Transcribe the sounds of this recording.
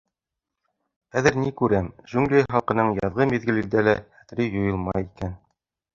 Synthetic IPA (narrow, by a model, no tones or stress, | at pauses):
χæðɘɾnikʉɾæmʒʉŋlʲejχɑlˠqɤ̆nɤɴjɑðʁɤmiðɡɘ̆lɘ̆ld̪ælææt̪̆ɾijŏjɤlˠmɑjikæn